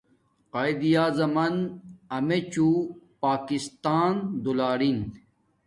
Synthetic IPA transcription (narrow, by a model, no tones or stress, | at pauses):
qaːjd̪ijaːzɐmɐnɐmet͡ɕupaːkist̪aːnd̪ulaːɾin